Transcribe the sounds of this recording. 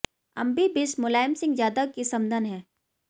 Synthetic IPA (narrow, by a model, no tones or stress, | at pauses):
ɐ̰̃mbibɪsmʊlaːɪmsɪ̃ŋɡzjaːd̪akisɐmd̪ʱənɦɛ̃ː